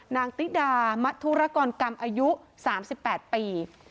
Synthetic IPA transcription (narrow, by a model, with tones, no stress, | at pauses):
naː˧ŋt̪i˦˥t̪̚daː˧ma˦˥t̪ʰːu˦˥ɾa˦˥kɔː˧nka˧mʔaː˧ju˦˥saː˩˦msi˨˩pːɛː˨˩t̪̚piː˧